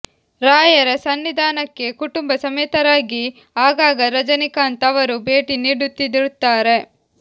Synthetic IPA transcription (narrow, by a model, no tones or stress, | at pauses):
ɾaːjɐɾɐsɐnːid̪ʱaːnɐkːe̞kuʈumbɐsɐmɛt̪ɐɾaːɡi | aːɡaːɡɐɾɐd͡ʒɐnikaːnt̪ɐʋɐɾubʱe̞ːʈiniːɽut̪ːid̪iɾut̪ːaːɾe̞